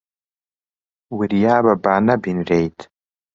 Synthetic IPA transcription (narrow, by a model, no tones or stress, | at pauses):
wirjaːbabaːnabinrejtʼ